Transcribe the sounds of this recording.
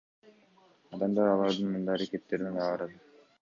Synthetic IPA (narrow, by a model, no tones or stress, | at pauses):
ɑd̪ɑmd̪ɑɾɑlˠɑɾd̪ɯnmund̪ɑɑɾaket̪ːe̞ɾind̪ɑɑɾɑd̪ɯ